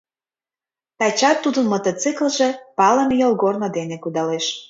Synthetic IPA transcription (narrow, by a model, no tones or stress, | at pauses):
t̪ɑt͡ɕɑt̪ːud̪ənmot̪ot͡sikəlʒĕpɑlə̆nejolɣornod̪enekud̪ɑleʃ